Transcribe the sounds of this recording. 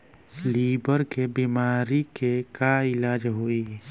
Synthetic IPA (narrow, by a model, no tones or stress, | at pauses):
liːbəɾkebiːmaːɾikekaɪlaːd͡ʒɦoi